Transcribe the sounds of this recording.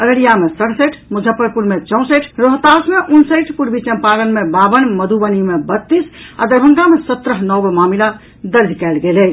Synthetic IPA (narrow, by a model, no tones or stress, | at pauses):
əɡəɾijamesəɽsəʈʰmud͡ʒʱəpːəɾpuɾmet͡ʃɔ̃w̃səʈʰɾoɦt̪asmeʔunsəjʈʰpuɾbit͡ʃəmpalənmebabənməd̪ʱubənimebət̪ːisa̰d̪əɾbʱəŋɡamesət̪ːɾəɦnɔbmamila | d̪əɾd̪ʱikɛɪlɡelɛ